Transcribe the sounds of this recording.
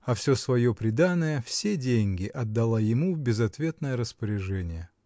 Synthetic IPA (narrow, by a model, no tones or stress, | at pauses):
ɐfsʲosvɐjo̞pɾʲɪd̪anːəjəfsʲedʲenʲɡʲɪʔɐd̪ːɐlˠajɪmubʲɪzɐt̪vʲe̞t̪nəjəɾəspəɾʲɪʐɛnʲɪjə